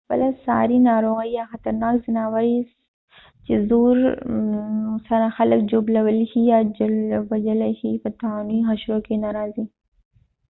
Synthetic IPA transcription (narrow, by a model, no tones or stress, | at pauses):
pɐ̰lɐsa̰ːɾinaːɾoːɣəjaːxɐt̪əɾnaːkzɪnaːʋəɾi | t͡ʃizuːɾ | sɐɾaxɐləkd͡ʒuːblɐʋəlhijaːd͡ʒɐʋɐd͡ʒɐlhiːpɐt̪aːniːɦɐʃɾoːkenaːɾaːziː